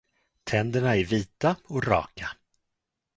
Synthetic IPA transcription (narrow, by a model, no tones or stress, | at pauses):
t̪ʰɛnd̪əɳaæɾviːt̪aɔkɾɑ̰ːka